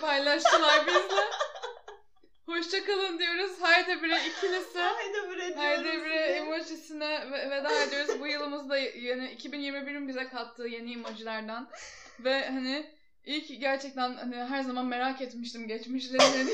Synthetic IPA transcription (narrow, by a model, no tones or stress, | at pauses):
pʰajlˠaʃt̪ʰɯlˠaɾbizmɛ | ho̞ʃt͡ʃʰakalˠɯnd̪ijo̞ɾuzhajd̪ɛbiɾɛicʰilʲisɛajd̪ɛbiɾɛhajd̪ɛbiɾɛimod͡ʒisinɛvɛvɛd̪aajd̪ijo̞ɾuzbujɯlˠɯmɯzd̪ajanɪicʰibinjiɾmibiɾimbizɛkʰalˠt̪ʰːɯːje̞niːmod͡ʒilʲˠæɾd̪æn | vɛhanɪ | ilʲcɟæɾt͡ʃʰɛc̚t̪ʰænhaniɦæɾzamanme̞ɾaket̪miʃt̪imɟɛt͡ʃmiʃlʲeinen